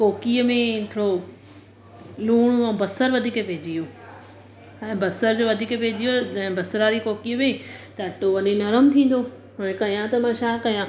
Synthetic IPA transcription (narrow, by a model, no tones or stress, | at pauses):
koːkijəmẽkʰːɽo | luːɽ̃ɛ̃ːbɐsəɾʋɐd̪ʱiːkepeːd͡ʑijoː | ɛ̃ːbɐsəɾd͡ʑoːʋɐd̪ʱiːkepeːd͡ʑijod͡ʑɐ̃bɐsɾaːɾikoːkijəmẽt̪ɐɐʈoʋɐninɐɾəmt̪ʰĩːn̆d̪o | ɐẽkɐijãt̪ɐmãːʃaːkɐjã